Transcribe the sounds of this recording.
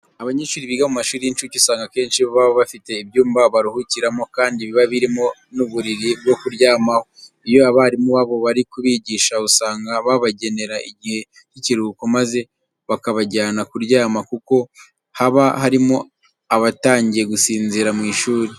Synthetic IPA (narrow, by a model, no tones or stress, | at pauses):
aβaɲeːʃuːɾiβiːɡamumaʃuːɾiint͡ʃucusaːŋɡake̞ːnʃiββaβoβafite̞ibjuːmbaβaɾuhuciɾamo̞kaːndiβiβaβiɾimo̞nuβuɾiɾib̚ɡo̞kuɾɟaːmaho | ijo̞aβaɾimuβaβo̞βaɾikuβiɟiːʃausaːŋɡaβaβaɟe̞ne̞ɾaʔiɟihe̞ | ciciɾuːkomaze̞ | βakaβaɟaːnakuɾɟaːmakuko̞ | haβahaɾimo̞ | aβataːɲɟije̞ɡusiːnziɾamŋiːʃuːɾi